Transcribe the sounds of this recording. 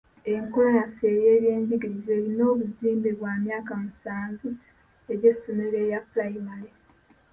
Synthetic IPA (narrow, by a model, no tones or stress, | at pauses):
e̞ŋkolonafeːje̞ːβje̞ːɲɟiɡiɾize̞ːɾino̞ːβuziːmbeβwaːmjaːkamusaːɱvu | e̞ɟe̞sːomele̞jaflaimale